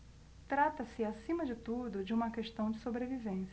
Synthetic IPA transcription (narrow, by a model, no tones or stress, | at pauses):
t̪ɾat̪ɐsɪasĩmɐd͡ʒɪt̪ud̪ʊd͡ʒɪũmɐkeʃt̪ɐ̃w̃d͡ʒɪsobɾevivẽsɐ